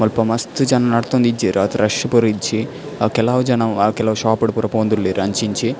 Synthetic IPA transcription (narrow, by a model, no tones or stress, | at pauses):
mɐlpɐmɐst̪ud͡ʒɐnɐnɐɽt̪ond̪id͡ʒeɾɐt̪ɐɾɐʂɐpuɾiɲt͡ʃi | kɛlaːʋd͡ʒɐnɐmkɛlɐːʋʃaːpɐɽupuɾɐpoːnd̪ulːeːɾɐɲt͡ʃiɲt͡ʃi